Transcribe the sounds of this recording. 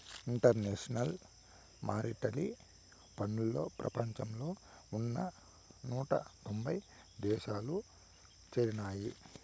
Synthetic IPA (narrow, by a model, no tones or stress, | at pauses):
iɳʈɐɾneːʂɐnɐl | maːɾiʈɐli | pɐnːulːo̞̰ːpɾɐ̰pɐɲt͡ʃɐmloː | unːɐ | nuːʈɐ̰t̪o̞mbɐj | d̪ɛːʃaːlu | t͡ʃɐɾinaːji